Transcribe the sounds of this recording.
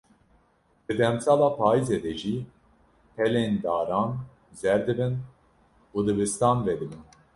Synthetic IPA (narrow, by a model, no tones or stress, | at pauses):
b̥ɨd̪ɛmsalˠapʰaːjized̪ɛd͡ʒi | pʰɛlend̪aːɾan | zɛɾd̪ɨbɨn | ud̪ɨbɨst̪anved̪ɨbɨn